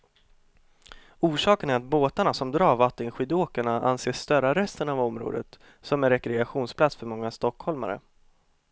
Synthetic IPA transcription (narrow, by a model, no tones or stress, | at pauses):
uːʂɑːkənæɾat̪̚boːt̪aɳasɔmd̪ɾɑːɾvat̪ːənɧɪːd̪oːkaɳaʔa̰nseːʂːt̪œɾaɾɛst̪ənavɔmɾo̰ːd̪ə̰t̪ | sɔmɛnɾɛkɾɛaɧuːnspʰlat̪sfœɾmɔŋːast̪ɔkhɔlma̰ɾə̰